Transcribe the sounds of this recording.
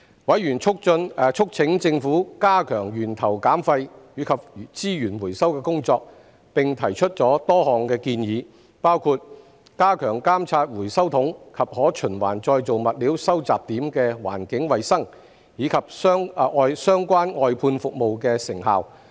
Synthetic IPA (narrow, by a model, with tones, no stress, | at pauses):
wɐ˨˥jɥyː˨˩nt͡ʃʰʊ˥k̚t͡ʃɵ˧n˨t͡ʃʰʊ˥k̚t͡sʰɪ˨˥ŋt͡sɪ˧ŋfuː˨˥kaː˥kʰœː˨˩ŋjyː˨˩nt̪ʰɐ˨˩wkaː˨˥mfɐ˧jjiː˨˧˥kʰɐ˨p̚t͡siː˥jyː˨˩nwuː˨˩jsɐ˥wkɛː˧kʊ˥ŋt͡sɔː˧k̚ | pɪ˨ŋt̪ʰɐ˨˩jt͡ʃʰɵ˥t̚t͡sɔː˨˥t̪ɔː˥hɔː˨˩ŋkɛː˧kiː˧njiː˨˧ | paː˥wkʰu˨˧t̚ | kaː˥kʰœː˨˩ŋkaː˥mt͡sʰaː˧t̚wuː˨˩jsɐ˥wt̪ʰʊ˨˥ŋkʰɐ˨p̚hɔː˨˥t͡ʃʰɵ˨˩nwa̰ː˨˩nt͡sɔː˧jt͡so˨wmɐ˨t̚liː˨˥wsɐ˥wt͡saː˨˩p̚t̪iː˨˥mkɛː˧wa̰ː˨˩nkɪ˨˥ŋwɐ˨jsɐ˥ŋ | jiː˨˧˥kʰɐ˨p̚sœː˥ŋ˧ɔː˧jsœː˥ŋkʷaː˥nɔː˧jpʰuː˧nfʊ˨k̚mo˨wkɛː˧sɪ˨˩ŋɦaː˨w